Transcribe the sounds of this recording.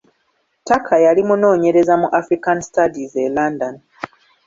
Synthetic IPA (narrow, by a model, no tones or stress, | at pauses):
takʰajalimuno̞ːɲe̞ɾe̞zamuʔafɾikanisi̥tadizelandani